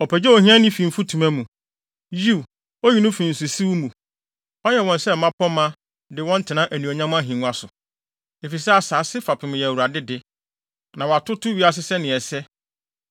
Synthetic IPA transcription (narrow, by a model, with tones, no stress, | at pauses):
ɔ˨pʰɛ˨d͡ʑɛ˦ɔ˨hĩ˦ã˦nɪ̃˦fĩ˨m̩˨fu˦tʰũ˨mã˦mũ˨ | ji˦˨w | ɔ˦ji˦nʊ̃˦fĩ˨n̩˨su˨si˦wu˦mũ˨ | ɔ˦jɛ˨wɔ̃˨n˦sɛ˦m̩˨mã˦pʰɔ˦mã˦ | dɪ˦wɔ̃˦n̩˦tʰɪ˨nã˦ʔæ˨nĩ˨ɔ˨ɲã˦mʊ̃˦a˦ɦĩ˨nũ˦a˦sʊ˨ | e˨fi˨sɛ˦a˨saː˨˦sɪ˦fa˨pʰɪ˨mʊ̃˨jɛ˨wu˨ɾa˨dɪ˦dɪ˦ | nã˨wa˨tʰʊ˦tʰʊ˦ɥi˦a˦˨s̬ɪ˦sɛ˦nɪ̃˨ɛ˨sɛ˦